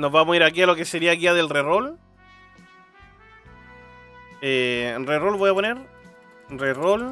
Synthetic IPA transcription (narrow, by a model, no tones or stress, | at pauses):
no̞zβamoiɾakialo̞keseɾiakiaðe̞lrero̞l | erero̞lβo̞japone̞ɾ | rero̞l